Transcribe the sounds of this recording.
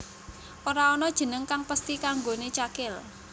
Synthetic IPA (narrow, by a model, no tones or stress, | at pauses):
ʔoɾaɔnɔd̥ʒ̥ə̤nəŋkaŋpəst̪ikaŋɡonet͡ʃakɪl